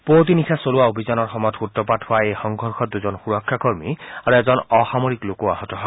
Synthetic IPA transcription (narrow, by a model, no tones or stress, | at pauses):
pot̪̬inisʰasoluwaobʱizanɔɹxɔmɔtxutːɔpathʊwaejxɔŋɡʱɔɹxʰɔt̚d̪uzɔnxuɹɔkʰːakoɹmiaɹuɛzɔnɔxamoɹiklokuaɦɔtɔɦɔ